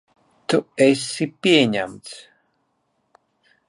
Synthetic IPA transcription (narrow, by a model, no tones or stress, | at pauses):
t̪uesːipiɛɲamt̪s